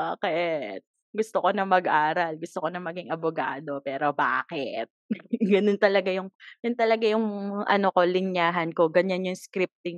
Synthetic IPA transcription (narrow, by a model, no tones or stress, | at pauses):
baːkɛt̪̚ | ɡʊst̪oko̞nɐmɐɡʔaːɾɐlɡʊst̪oko̞nɐmɐɡɪŋʔɐbʊɡa̰ːd̪o̞pɛːɾo̞ba̰ːkɛt̪̚ɡɐnont̪ɐlɐɡajʊŋjʊnt̪ɐlɐɡajʊŋʔɐ̰noko̞lɪɲjaːɦɐnko̞ɡɐɲanjʊŋskɾɪp̚t̪ɪŋ